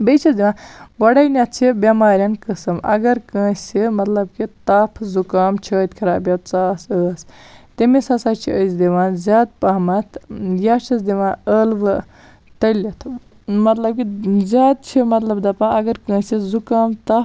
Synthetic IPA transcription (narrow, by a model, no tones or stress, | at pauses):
bet͡ʃʰɐsd̪iʋãːʋɐɽajnʲɐt̪̚t͡ʃʰibʲɐmaːɾʲjɐnkəsɐmɐ̰ɡɐɾkə̃ːsimɐt̪lɐb̚kit̪aːpʰzukaːmt͡ʃʰəːt̪ʲkʰɐɾaːbjɐt͡saːsəːst̪imisɐsaːt͡ʃʰiəzd̪iʋãːnzʲaːd̪̚pɐɦmɐt̪ʰjaːt͡ʃʰɐsd̪iʋãːəlʋɨ | t̪ɐlʲit̪ʰ | mɐt̪lɐb̚kizʲaːd̪̚t͡ʃʰimɐt̪lɐbd̪ɐpãɐɡɐɾkə̃ːsizukaːmt̪a